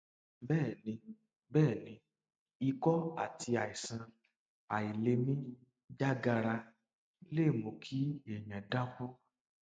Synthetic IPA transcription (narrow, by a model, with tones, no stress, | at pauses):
bɛː˦˨nĩ˨˧˦ | bɛː˦˨nĩ˧˦ | i˧kɔ˦a˦˨tʰi˧a˨i˨sã˧ | a˨i˨le˧mĩ˦ | d͡ʒa˦ɡa˧ɾa˧ | le˦˨mõ˨kʰi˦e˨ɲ̃ã˨da˦kɔ̃˦